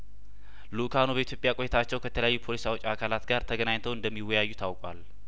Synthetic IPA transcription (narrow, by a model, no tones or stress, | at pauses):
lukʰanubəit̪jo̞pʼjakʼojet̪ʰat͡ʃːɛwkʰət̪ʰələjajːupʰo̞lisawot͡ʃʼːakʰalat̪ɡaɾt̪ʰəɡənaɲt̪ʰəwɨnd̪əmːiwːɔjajːut̪ʰawkʼwal